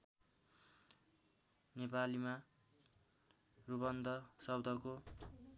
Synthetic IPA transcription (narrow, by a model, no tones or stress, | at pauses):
nepalima | rubʌnd̪ʱʌsʌbd̪ʱʌko